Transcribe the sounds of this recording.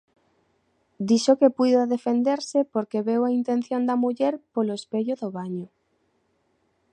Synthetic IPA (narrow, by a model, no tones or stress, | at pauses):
d̪iʃokepujðaðefend̪eɾsepoɾkeβewaint̪enθjond̪ɐmuʎeɾpoloespeʎoðoβaɲo